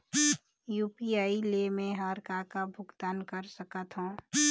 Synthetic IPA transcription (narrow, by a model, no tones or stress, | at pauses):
juːpiaːilemẽɦaːɾkakabʱʊɡd̪aːnkəɾsəkət̪ɦõː